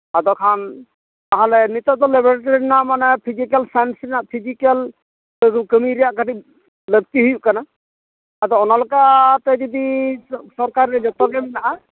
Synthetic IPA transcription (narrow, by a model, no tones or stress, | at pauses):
ad̪ɔkʰan | t̪aɦalɛnit̪ɔt̪ɔlɛbɔɾeʈɔɾinamanɛpʰid͡ʒikɛlsansɾinaʔpʰid͡ʒikɛl | kəmiɾijaʔkati | lək̚t̪iɦujuʔkana | ad̪ɔɔnalɔkat̪ɛd͡ʒɔd̪isɔɾkaɾɛd͡ʒɔt̪ɔɡɛbinaʔa